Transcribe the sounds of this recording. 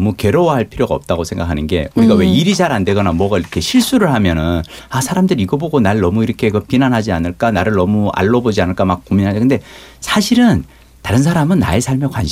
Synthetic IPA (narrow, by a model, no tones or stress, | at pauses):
muke̞ɾowaɦaɭpʰiɾjoɡaʌp̚t͈aɡosʰe̞ŋɡakʰanɯnɡe̞̰uɾiɡawe̞iɾid͡ʑaɾande̞ɡʌnamwʌɡaiɾʌkʰe̞ɕʰiɭs͈uɾɯɭɦamjʌnɯnasʰaɾamdɯɾiɡʌboɡonaɭnʌmuiɾʌkʰe̞kɯpinanɦad͡ʑianɯɭk͈anaɾɯɭnʌmua̰ɭːʌbod͡ʑianɯɭk͈amak̚k͈ominɦad͡ʑkɯnde̞ | sʰaɕʰiɾɯn | taɾɯnsʰaɾamɯnːa̰e̞sʰaɭmjʌkwanɕ